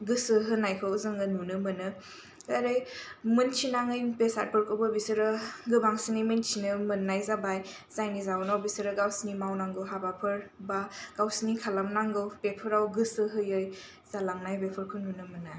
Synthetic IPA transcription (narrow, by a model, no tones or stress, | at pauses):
ɡɯsɯɦɯnajkʰɯzɯŋɯnunɯmɯnɯ | aɾɯjmɯnt͡ʃʰinaŋɯjpesa̰t̚pʰɯɾkʰɯbɯbisɯɾɯɡɯbaŋsinimɯnt͡ʃʰinɯmɯnːajzabaj | zajnizaɔnawbisɯɾɯɡawsinimawnaŋɡɯwɦabapʰɯɾbaɡ̥awsinikʰalamnaŋɡɯwbepʰɯɾawɡɯsɯɦɯjɯj | zalaŋnajbepʰɯɾkʰɯnunɯmɯna